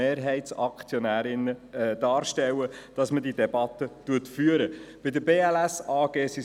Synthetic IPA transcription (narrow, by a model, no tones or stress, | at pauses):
eːɾɦɛɪt̪sɑkt͡sjɔnæːɾɪnəd̥ɑːɾʃtɛwəd̥ɑsmədid̪ɛbɑt̪ːətuətfyəɾəb̥ɪd̪əbeːælæsɑːɡ̥eːsi